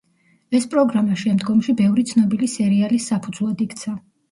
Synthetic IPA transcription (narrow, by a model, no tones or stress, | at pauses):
ɛspʼɾɔɡɾamaʃɛmd̪ɡɔmʃibɛvɾit̪sʰnɔbilisɛɾialisːapʰud̪zlˠad̪ikʰt̪sʰa